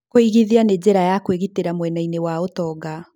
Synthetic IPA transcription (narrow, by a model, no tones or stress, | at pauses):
koiɣiðianed͡ʑeɾajakweɣiteɾamwɛnainewaotɔɡa